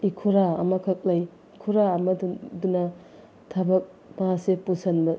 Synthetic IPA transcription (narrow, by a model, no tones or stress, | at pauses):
ikʰuɾaɐmɐkʰɐk̚lɐj | ikʰuɾaːmɐddunɐ | tʰabɐk̚ | maasepusɐnbɐ